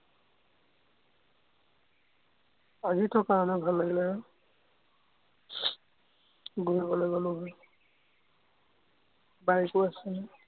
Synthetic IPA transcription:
azitʰɔkaɹɔnɛbʱalːaɡilɛ | ɡuɹibɔlojɡɔlʊɦɔj | baɹikʊasɛnɛ

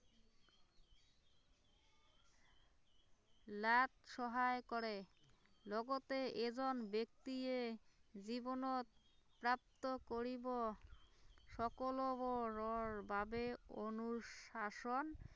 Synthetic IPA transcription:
lat̪ʃɔɦaekoɾelɔɡot̪eʔed͡ʑonbek̚t̪ied͡ʑibonot̪̚ | pɾap̚t̪okoɾibo | ʃɔkoloboɾoɾbʱabeonuʃaʃon

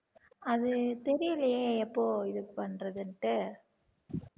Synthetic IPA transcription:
ɐðɯt̪ɛɾɪjɪlɐjeːɛpːoːɪðɯpɐnrɐðɯnʈːɯ

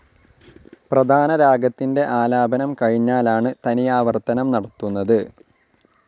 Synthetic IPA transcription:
prɐd̪ʱaːnɐɾaːɡɐt̪ːinde̞ʔaːlaːbɐnɐmkɐɻiɲːaːlaːɳɨt̪ɐnijaːʋɐrt̪ːɐnɐmnɐɽɐt̪ːunːɐðɨ

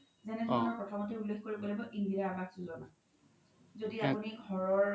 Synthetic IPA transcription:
zɛnɛdʱɔnɔɹpɹɔtʰɔmɔtʰiulːekkoɹibɔlajbɔʔindiaaɡazuzɔna | zodiapuniɡʱɔɹɔɹ

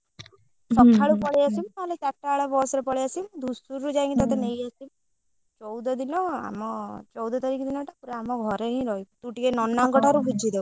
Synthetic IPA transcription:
sɔkʰːaɭupɔɭeasimt̪aɦɔlet͡ʃaʈːaːɭabɔsɔɾepɔɭeasimd̪ʱusuɾɾud͡ʒaj̃ŋkit̪at̪enejasim | t͡ʃɔwd̪ɔd̪inɔa̰mɔt͡ʃɔwd̪ɔt̪aɾikid̪inɔʈapuɾeamɔɡʱɔɾeɦĩɾɔɦijt̪uʈikenɔnːaŋkɔʈʰaɾubʱud͡ʒʱid̪ewu

